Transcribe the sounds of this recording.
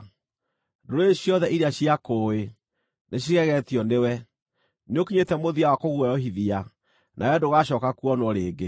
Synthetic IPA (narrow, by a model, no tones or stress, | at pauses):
doɾoeɕjɔðɛʔiɾeaɕiakoe | neɕ̬iɣɛɣɛtjɔnewɛ | neokiɲetɛmoðiawakoɣuɛjɔɦiðia | nʔa̰wɛdoɣaɕɔkakuɔnwɔɾeːɡe